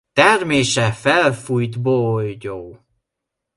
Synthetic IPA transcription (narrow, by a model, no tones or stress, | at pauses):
t̪ɛrmeːʃɛfɛlfujt̪bojɟoː